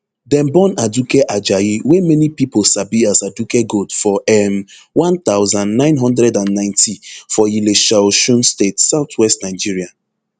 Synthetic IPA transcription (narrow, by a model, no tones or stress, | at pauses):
dɛ̃mbɔ̃nadukeʔad͡ʒajiwemɛnipiposabiazadukeɡodfɔʔɛm | wãnt̪aʊzãndnãɪ̃nɦɔ̃ndɹɛdãnːãɪ̃ntʰifɔjileʃaoʃũnstetsaʊt̪ʰwɛstnaɪd͡ʒiɹia